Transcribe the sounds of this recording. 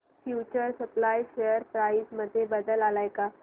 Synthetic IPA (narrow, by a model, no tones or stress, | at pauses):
fjut͡ɕəɾsəplajɕejəɾpɾaisməd̪ʱːjebəd̪əlalajka